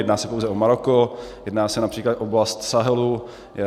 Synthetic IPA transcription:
jdnaːsɛpowzɛʔomaɾokojɛdnaːsɛnapr̥iːklat̪ʔoblast̪saɦɛlu | jɛ

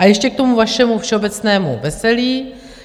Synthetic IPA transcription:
ʔajɛʃcɛk̚t̪omuvaʃɛmufʃɛo̞bɛt͡snɛːmṵvɛsɛliː

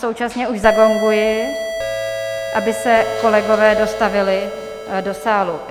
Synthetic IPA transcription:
so̞wt͡ʃasɲɛuʒzaɡo̞ŋɡujɪ | ʔabɪsɛko̞lɛɡo̞vɛːdo̞st̪avɪlɪ | do̞saːlu

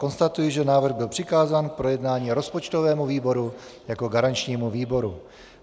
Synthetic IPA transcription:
ko̞nst̪at̪ujɪʒɛnaːvr̩ɣbɪlpr̝̥ɪkaːzaːnk̚pɾo̞jɛdnaːɲiːɾo̞spot͡ʃt̪o̞vɛːmuviːbo̞ɾujako̞ɡaɾant͡ʃɲiːmuviːbo̞ɾu

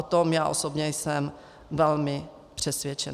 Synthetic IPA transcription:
ot̪omjaːʔosobɲɛjsɛm | vɛlmɪ | pr̝̥ɛsvʲjɛt͡ʃɛ

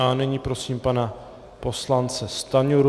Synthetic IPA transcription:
anɛɲiːpɾosiːmpana | poslant͡sɛst̪aɲuɾ

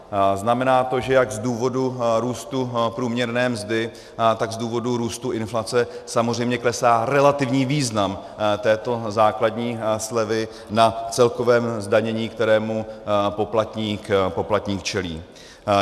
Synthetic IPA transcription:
znamɛnaːt̪o̞ʒɛjaɡzduːvo̞duɾuːst̪upɾuːmɲɛɾnɛːmzdɪ | t̪aɡzduːvo̞duɾuːst̪uʔɪnflat͡sɛsamozr̝ɛjmɲɛklɛsaːɾɛlat̪ɪvɲiːviːznamt̪ɛːt̪o̞zaːkladɲiːslɛvɪ | nat͡sɛlko̞vɛːmzdaɲɛɲiːkt̪ɛɾɛːmupo̞plat̪ɲiːkpo̞plat̪ɲiːkt͡ʃɛliː

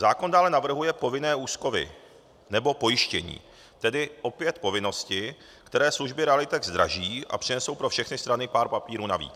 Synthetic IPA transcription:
zaːko̞ndaːlɛnavr̩ɦujɛpo̞vɪnɛːuːsko̞vɪ̰ | nɛbo̞po̞jɪʃcɛɲḭː | t̪ɛdɪʔo̞pɪjɛt̪po̞vɪno̞scɪ | kt̪ɛɾɛːsluʒbɪɾɛalɪt̪ɛɡzd̪ɾa̰ʒiːʔa̰pr̥ɪnɛso̞wpɾofʃɛxnɪst̪ɾanɪpaːɾpapiːɾuːnavḭːt͡s

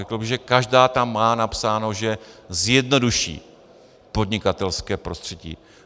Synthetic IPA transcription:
ɛkl̩bɪɣʒɛkaʒdaːt̪amːaːnapsaːno̞ʒɛzjɛdno̞duʃḭː | po̞dɲɪkat̪ɛlskɛːpɾo̞st̪r̝̥ɛɟḭː

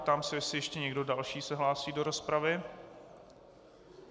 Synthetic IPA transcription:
t̪amsɪsɪjɛʃcɛɲɛɡdo̞dalʃiːsɛɦlaːsiːdo̞ɾo̞spɾavɪ

